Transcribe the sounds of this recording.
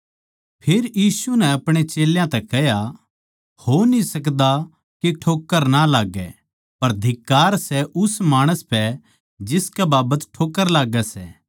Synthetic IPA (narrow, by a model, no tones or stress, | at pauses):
pʰeːɾjiːsunɛɐpɽ̃et͡ʃeːljãt̪ɛkɛɦja | hoːnisɐk̬d̪a | keʈʰoːkːəɾnalaːɡɛ̰ | pɐɾd̪ʱɪkːaːɾsɛʔʊsmaːɽ̃əspɛ | d͡ʒɪskɛbaːbət̪ʈʰoːkːəɾlaːɡɛsɛ